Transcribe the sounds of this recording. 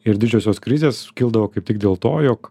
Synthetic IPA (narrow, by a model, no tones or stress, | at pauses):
ɪɾd̪ʲɪd͡ʒʲɛːsʲoːskɾʲɪzʲeːskʲiːlˠd̪ɐʋoːkɐɪp̚t̪ʲɪɡd̪ʲeːlˠt̪oːjoːk